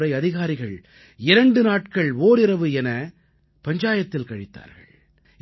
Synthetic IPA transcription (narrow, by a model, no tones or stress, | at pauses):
ɾɐɪɐðɪɣaːɾɪɣɐɭ | ɪɾɐɳɖɯnaːʈkɐɭoːɾɪɾɐʋɯɛnɐ | pɐɲd͡ʒaːjɐt̪ːɪlkɐɻɪt̪ːa̰ːɾɣɐ̰ɭ